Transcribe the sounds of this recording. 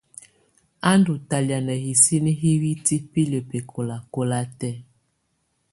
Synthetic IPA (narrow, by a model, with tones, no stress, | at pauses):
a˦ndu˨ta˨lja˨nɛ˨hi˨si˦ni˦ɦi˦wi˦ti˦pi˦le˨pe˨kʰo˨la˨ko˦la˦tɛ˦